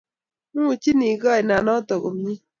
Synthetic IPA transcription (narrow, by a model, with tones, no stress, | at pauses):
mu˦˨t͡ʃi˦ni˨ka˦˨jna˨nɔ˦tɔ˨ɣo˨mɲi˦